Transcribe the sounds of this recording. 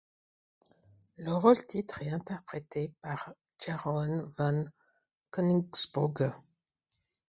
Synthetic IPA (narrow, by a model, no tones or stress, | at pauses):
ləʁolt̪it̪χɛt̪ɛ̃t̪ɛʁpχet̪ʰepaʁ | ʒ̥aʁɔnvãn | kɔnisbuʁɡ